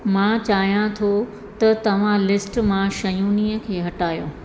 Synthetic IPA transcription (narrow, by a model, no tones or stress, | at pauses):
mãːt͡ɕaːɦijãt̪ʰo | t̪ɐt̪ɐʋ̤ãlɪsʈmãʃɐjuːniːəkʰeːɦɐʈaːjõː